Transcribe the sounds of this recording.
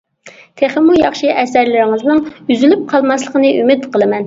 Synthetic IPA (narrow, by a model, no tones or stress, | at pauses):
t̪ʰeχəmːujɑχʃɨʔɛsæɾlɪɾɪŋɨznɨŋyzylyp̚qʰɑlˠmɑslˠəqənɨʔymɪt̪qəlˠɨmɛn